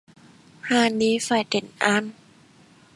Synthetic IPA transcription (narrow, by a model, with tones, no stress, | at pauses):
haː˧˩niː˧˦fa˧˩jt̪e˨˩˦nʔa˧˥n